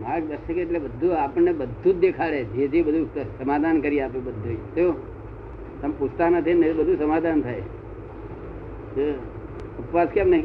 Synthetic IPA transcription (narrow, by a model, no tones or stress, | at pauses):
makd̪əɾʃəkeeʈlebəd̪ʱːuapəɳːebəd̪ʱːut̪̚d̪ekʰaɭeet̪ʰibəd̪ʱusəmad̪ʱankəɾijeapobəd̪ʱːut̪jo | səmpust̪anat̪ʰinet̪bəd̪ʱusəmad̪ʱant̪ʰaj | t̪e | əpʋaskjamnəɦĩ